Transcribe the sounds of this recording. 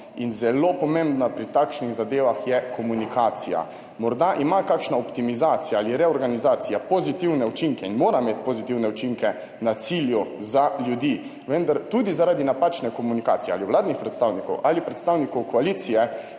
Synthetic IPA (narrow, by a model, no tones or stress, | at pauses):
inzɛlopɔmẽmbnapɾit̪akʃniɣzad̪eːʋaxjɛkʰɔmunikaːt̪sija̰ | mɔɾd̪aʔimakakʃnaɔpt̪imizaːt̪sijaaliɾɛɔɾɡanizaːt̪sijapozit̪iwnɛut͡ʃiŋkɛinmoːɾamet̪pozit̪iwnɛut͡ʃiŋkɛ | nat̪siljuzaljud̪i | ʋənd̪aɾt̪ud̪izaɾaːd̪inapat͡ʃnɛkomunika̰ːt̪sijɛa̰liʋlaːd̪nixpɾɛt̪st̪awnikɔ̰wʔalipɾɛt̪st̪aːwnikɔwkɔalit̪sijɛ